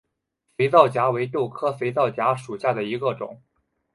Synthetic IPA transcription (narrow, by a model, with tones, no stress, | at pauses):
fe˧˥ɪt͡sɑ˥˩ʊt͡ɕja˧˥we˧˥ɪt̪jo˥˩ʊkʰɤ˥fe˧˥ɪt͡sɑ˥˩ʊt͡ɕja˧˥ʂu˨˩ɕja˥˩d̪ə˩i˧˥ɡə˧ʈ͡ʂʊ̰˨˩˦ŋ